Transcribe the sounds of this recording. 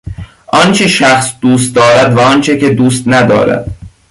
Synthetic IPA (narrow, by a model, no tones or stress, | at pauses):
ʔɒnt͡ʃʰeʃæxsd̪̥uːst̪̚d̪ɒːɾæd̪væɒnt͡ʃʰeced̪uːst̪næd̪ɒ̰ːɾæ̰d̪̥